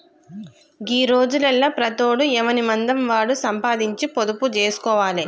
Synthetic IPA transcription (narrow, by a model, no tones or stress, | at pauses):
ɡiːɾo̞ːd͡ʒulɐlːɐpɾɐt̪oːɽuɛʋɐnimɐnd̪ɐmʋaːɽusɐmpaːd̪iɲt͡ʃipod̪uput͡ʃeːsu̥kɔːʋaːli